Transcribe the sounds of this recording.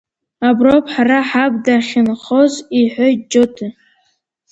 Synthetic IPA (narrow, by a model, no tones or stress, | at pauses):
abropʰʼħaraħab̚ʼdaχʲɪnχoziħʷojd͡ʒotʰɨ